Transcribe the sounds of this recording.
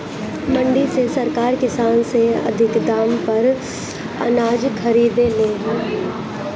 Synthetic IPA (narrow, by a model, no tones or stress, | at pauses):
mɐ̃ɳɖisesɐɾkaːɾkɪsaːnseɐ̰d̪ʱɪkd̪aːmpɐɾ | ɐ̰naːd͡ʒkʰɐɾiːd̪eleːɦɛ̃ː